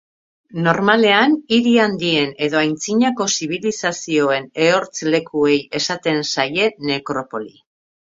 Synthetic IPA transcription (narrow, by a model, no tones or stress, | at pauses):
no̞ɾmale̞aniɾiand̪ie̞ne̞ðo̞ajnt͡siɲako̞siβ̞ilisasio̞e̞ne̞o̞ɾt͡sle̞kue̞je̞sat̪e̞nsaje̞ne̞kɾo̞po̞li